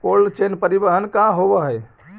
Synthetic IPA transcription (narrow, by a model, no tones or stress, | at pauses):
kolt͡ʃenpəɾibəɦənkãɦobəɦəj